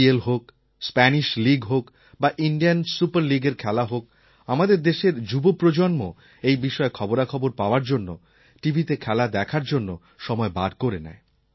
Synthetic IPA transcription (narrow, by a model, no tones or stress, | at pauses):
elɦok | spɛniʃliɡɦok | baʔiɳɖijansupaɾliɡeɾkʰɛlaɦok̚ | amad̪eɾd̪eʃeɾd͡ʑubopɾod͡ʑonmo̰ | ejbiʃɔekʰɔboɾakʰɔboɾpaoaɾd͡ʑonːo | ʈibʱit̪ekʰɛlad̪ɛkʰaɾd͡ʑonːo | ʃɔmɔebad̪koɾenɛ̰e